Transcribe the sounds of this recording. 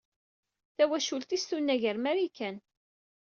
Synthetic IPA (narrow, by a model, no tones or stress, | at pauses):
θæwæʃult̪ist̪unːæʝəɾmæɾikːæn